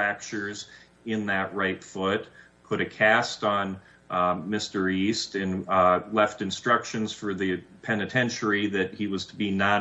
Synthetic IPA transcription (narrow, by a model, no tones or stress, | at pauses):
æk̚t͡ʃə˞z | ɪ̃nðɨʔ̚ɹaɪtfʊt̚ | pʰʊɾɨkʰæstn̩ | mɪstə˞istɨ̃nlɛftɨ̃nstɹ̥ʌkʃɨ̃nz̥fə˞ðɨpʰɛnɨtʰɛ̃nʃə˞iðɨt̚hiwʌz̥tʰəbinɑ̃